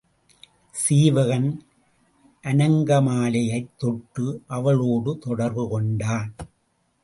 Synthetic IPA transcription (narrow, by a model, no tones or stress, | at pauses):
siːʋɐɣɐn | ʔɐnɐŋɡɐmaːlɐjɐɪt̪ːɔʈɾɯʔɐʋɐɭoːɽɯt̪ɔɽɐɾʋɯkɔɳɖaːn